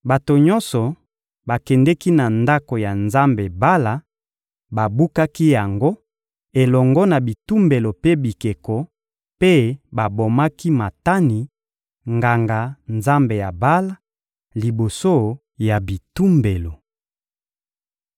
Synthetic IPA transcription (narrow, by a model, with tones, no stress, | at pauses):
ba˨to˨ɲɔ˦sɔ˨ | ba˨kɛ˨ndɛ˦ki˦na˨nda˦ko˨ja˨nza˦mbe˨ba˦la˨ | ba˨bu˦ka˦ki˦ja˨ŋɡo˦ | e˨lɔ˨ŋɡɔ˦na˨bi˨tu˦mbe˨lo˨pe˦bi˨ke˨kɔ˨ | pe˦ba˨bo˨ma˦ki˦ma˨ta˦ni˨ | ŋɡa˨ŋɡa˨nza˦mbe˨ja˨ba˦la˦ | li˨bo˨so˦ | ja˨bi˨tu˦mbe˨lo˨